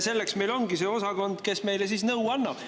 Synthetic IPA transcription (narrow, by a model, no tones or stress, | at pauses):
se̞lːe̞ksme̞jlo̞ŋɡ̥iseo̞sɑko̞nd̪̥ke̞sme̞jles̬iːsnɤwɑnːɑb̥